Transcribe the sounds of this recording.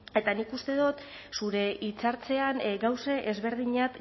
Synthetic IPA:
e̞t̪anikust̪e̞ðot̪ | suɾe̞ʔit͡saɾt͡se̞anɡawseʔezβe̞ɾð̞iɲat̪

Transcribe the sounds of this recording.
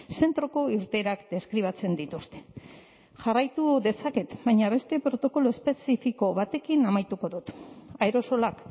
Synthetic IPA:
se̞nt̪ɾo̞ko̞iɾt̪e̞ɾakd̪e̞skɾiβ̞at͡se̞nd̪it̪ust̪e̞̥ | ʝarajt̪uðe̞sake̞t̪baɲaβe̞st̪e̞pɾo̞t̪o̞ko̞loespe̞sifiko̞βat̪e̞kinamajt̪uko̞ðut̪aeɾo̞so̞lak

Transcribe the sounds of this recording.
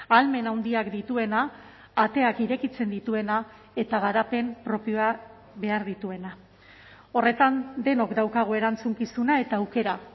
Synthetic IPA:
alme̞nawnd̪iakd̪it̪ue̞naː | t̪e̞akiɾe̞kit͡se̞nd̪it̪ue̞na | e̞t̪aɣ̞aɾape̞mpɾo̞pio̞a | βe̞aɾðit̪ue̞na | o̞re̞t̪and̪e̞no̞kd̪awkaɣ̞oe̞ɾant͡suŋkisunae̞t̪aːwke̞ɾa

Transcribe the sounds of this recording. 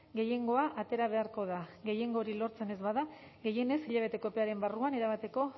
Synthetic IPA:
ɡe̞je̞ŋɡo̞aʔat̪e̞ɾaβ̞e̞aɾko̞ð̞aɣe̞je̞ŋɡo̞ːɾilo̞ɾt͡se̞ne̞zβaða | ɣe̞je̞ne̞siʎaβ̞e̞t̪e̞ko̞pe̞aɾe̞mbaruaneɾaβ̞at̪e̞ko̞

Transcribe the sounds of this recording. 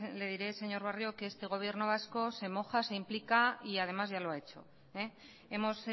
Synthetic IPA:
le̞ð̞iɾe̞se̞ɲo̞ɾβarjokeest̪e̞ɣ̞o̞β̞je̞ɾno̞β̞asko̞se̞mo̞xase̞implikaiað̞e̞mazʝaloae̞t͡ʃo̞ | e | e̞mo̞s

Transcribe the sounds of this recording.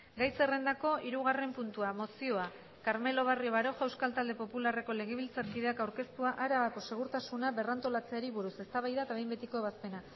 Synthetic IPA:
ɡajse̞re̞nd̪ako̞ʔiɾuɣ̞are̞mpunt̪uamo̞sio̞a | kaɾme̞lo̞βario̞βaɾo̞ʝawskalt̪ald̪e̞po̞pulare̞ko̞le̞ɣ̞eβ̞ilt͡saɾkið̞e̞akawɾke̞st̪uaʔaɾaβako̞se̞ɣ̞uɾt̪asunaβe̞rant̪o̞lat͡se̞aɾiβuɾuse̞st̪aβajðaet̪aβe̞jmbe̞t̪iko̞eβ̞aspe̞na

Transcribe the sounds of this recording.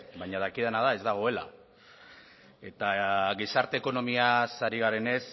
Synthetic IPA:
bajɲað̞akið̞enað̞ae̞zd̪aɣ̞o̞e̞la̰ | e̞t̪aɣisaɾt̪e̞ːko̞no̞miasaɾiɣ̞aɾe̞ne̞s

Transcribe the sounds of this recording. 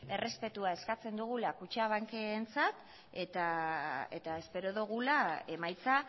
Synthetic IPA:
e̞re̞spe̞t̪uae̞skat͡se̞nd̪uɣ̞ulakut͡ʃaβ̞aŋkeːnt͡sat̪ | e̞t̪ae̞̰t̪ae̞spe̞ɾoðuɣulae̞majt͡sa

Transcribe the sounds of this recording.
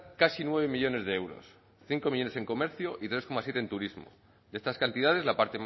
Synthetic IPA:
kasinwe̞β̞e̞miʎo̞ne̞zðeewɾo̞̰s | θiŋko̞miʎone̞se̞ŋko̞me̞ɾθjoʔit̪ɾe̞sko̞masjet̪ent̪uɾizmo̞̰ | d̪e̞st̪askant̪iðað̞e̞zlapaɾt̪e̞m

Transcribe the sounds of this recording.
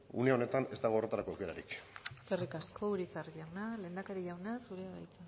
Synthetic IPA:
ṵneao̞ne̞t̪ane̞zt̪aɣoret̪aɾako̞ewke̞ɾa̰ɾikterikaskʰo̞uɾit͡sarʎawnale̞nd̪akeɾiʝawnasuɾeaβa̰jt͡sa

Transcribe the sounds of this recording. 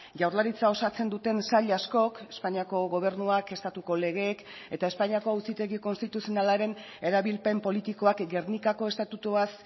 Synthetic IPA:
ʝawɾlaɾit͡sao̞sat͡se̞nd̪ut̪e̞nsaʎasko̞kespaɲiako̞ɣo̞β̞e̞rnuake̞st̪at̪uko̞le̞ɣ̞e̞k | e̞t̪aespaɲiako̞awsit̪e̞ɣiko̞nst̪it̪usio̞nalaɾe̞n | e̞ɾaβilpe̞mpo̞lit̪iko̞akɡe̞rnikako̞e̞st̪at̪ut̪uas

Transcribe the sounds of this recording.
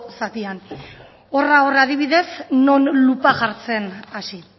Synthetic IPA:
sat̪ian | o̞raoreað̞iβiðe̞sno̞nlupaʝaɾt͡se̞nasi

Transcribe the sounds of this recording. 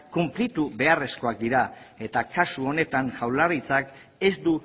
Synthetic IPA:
kumplit̪uβe̞are̞sko̞ak̚d̪iɾae̞t̪akasuo̞ne̞t̪aŋʝawlarit͡sak | e̞zd̪u

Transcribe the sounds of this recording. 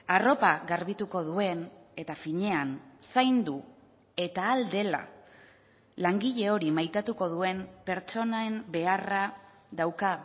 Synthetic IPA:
aro̞paɣaɾβit̪uko̞ðue̞ne̞t̪afiɲe̞ansajnd̪u | e̞t̪aːld̪e̞la̰ | laŋɡiʎe̞o̞ɾimajt̪at̪uko̞ð̞ue̞mpe̞ɾt͡ʃo̞naembe̞ara | ðawka

